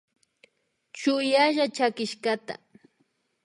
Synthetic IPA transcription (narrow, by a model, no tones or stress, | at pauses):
t͡ʃʊjaʒat͡ʃakɪʃɢat̪a̰